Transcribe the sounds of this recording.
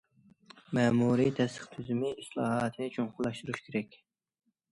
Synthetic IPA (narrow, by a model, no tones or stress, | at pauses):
mɛːmuɾit̪ʰɛst̪ə̥χt̪ʰyzymɪislˠɑːɦɑːt̪ʰɨnɪt͡ʃʰoŋχʊlˠɑʃt̪uɾuʃkʲʰeɾɛkʲ